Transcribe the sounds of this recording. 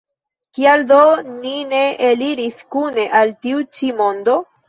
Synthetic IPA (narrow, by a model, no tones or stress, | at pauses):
kialdonine̞ʔeliɾiskune̞ʔaltiut͡ʃimo̞ndo̞